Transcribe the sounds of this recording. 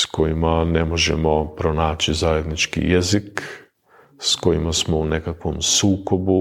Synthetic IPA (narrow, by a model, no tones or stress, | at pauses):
sko̞jimanemo̞ʒḛmo̞pɾonaːt͡ʃizaje̞d̪nit͡ʃkḭjezik | sko̞jimasmo̞unekakʋomsuːkobu